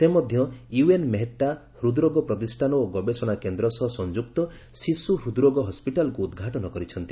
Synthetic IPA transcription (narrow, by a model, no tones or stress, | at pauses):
semɔd̪ʱjɔjuenmeɦeʈːa | hɾud̪ɾoɡɔpɾɔt̪isʈʰanɔoɡɔbesɔɽ̃akend̪ɾɔsɔɦɔsɔnd͡ʒuk̚t̪ɔ | sisuɦɾud̪ɾoɡɔɦɔspiʈalɔkuːd̪ɡʱaʈɔnɔkɔɾit͡ʃʰɔnt̪i